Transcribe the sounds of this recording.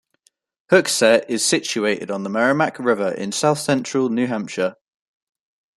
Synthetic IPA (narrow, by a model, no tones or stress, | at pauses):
hʊksɛʔɪz̥sɪt͡ʃueɪtɪ̰dn̩ðəmɛɹəmakʰɹɪvəɹɪ̰̃nsaʊθsɛ̃nt͡ʃɹ̥əlˠnjʉːɦãmpʃə